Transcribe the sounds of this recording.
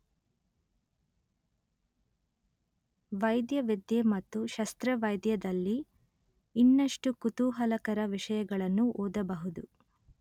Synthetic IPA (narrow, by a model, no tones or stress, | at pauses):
ʋɐjd̪jɐʋid̪jemɐt̪ːuʃɐst̪ɾɐʋɐjd̪jɐd̪ɐlːiː | nːɐʂʈukut̪uːɦɐlɐkɐɾɐʋiʂɐjɐɡɐɭɐnːuʔoːd̪ɐbɐɦud̪u